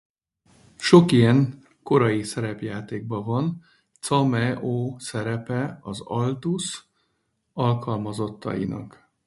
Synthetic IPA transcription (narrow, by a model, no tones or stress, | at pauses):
ʃo̞kijɛŋ | ko̞ɾɒjisɛɾɛpjaːt̪eːɡ̚bɒvɒn | t̪sɒmɛʔoːsɛɾɛpɛɒzɒlt̪us | ɒlkɒlmɒzo̞t̪ːɒ̰jḭnɒ̰k